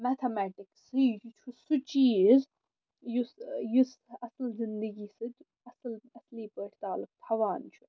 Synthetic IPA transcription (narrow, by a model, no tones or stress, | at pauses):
mɛt̪ʰɐmæːʈɪksɨd͡ʒut͡ʃʰusut͡ʃiːz | jusjusɐsɐlzɪnd̪əɡisɨd | ɐsɐlɐsliːpəʈʰʲt̪aːlʊk̚t̪ʰɐʋaːnt͡ʃʰu